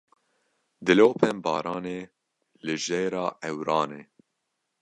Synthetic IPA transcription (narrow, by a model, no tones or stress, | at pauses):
d̪ɨloːpʰɛmbɑ̰ːɾɑːneː | lɨʒejɾɑːʔɛwɾɑːneː